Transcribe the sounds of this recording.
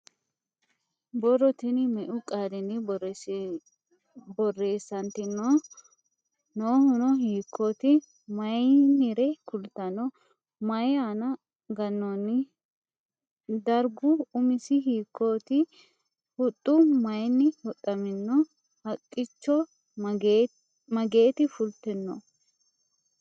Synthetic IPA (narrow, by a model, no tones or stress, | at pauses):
bɔrɔt̪ɪnɪmɛʔʊkʼaːd̪ɪnɪbɔ | bɔrːe̞ːsːɐnt̪ɪnːɔ | noːhʊnɔhiːkʰːoːt̪ɪ | mɐjnɪɾɛkʊlt̪ɐnɔ | mɐjaːnɐ | ɡɐnːɔnːɪ | d̪ɐɾɡʊʊmɪsɪɦiːkːoːt̪ɪ | hʊt̪ʼːʊmɐjnːɪhɔt̪ʼːɐmɪnːɔ | hɐkʼːɪt͡ʃːɔ | mɐɡe̞ːt̪ɪfʊlt̪ɪnːɔ